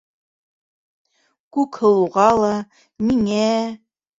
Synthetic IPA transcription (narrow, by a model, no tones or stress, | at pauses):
kʉkhɤ̆lˠuʁɑlˠɑ | miŋæ